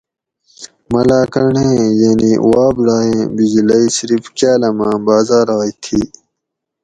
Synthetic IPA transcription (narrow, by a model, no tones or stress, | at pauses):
mɐlaːkɐɳẽːjeniwaːbɽaːẽːbid͡ʑilɐisiɾifkaːlɐmãːbaːzaːɾaːit̪ʰiː